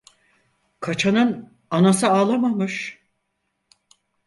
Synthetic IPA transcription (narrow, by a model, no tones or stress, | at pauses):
kʰat͡ʃʰanɯn | anasɯaːlˠamamɯʃ